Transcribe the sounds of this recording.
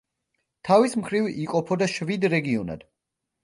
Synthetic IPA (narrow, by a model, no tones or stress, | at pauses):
t̪ʰavismχɾiviqʼɔpʰɔd̪aʃvid̪ɾɛɡiɔna̰d̪̥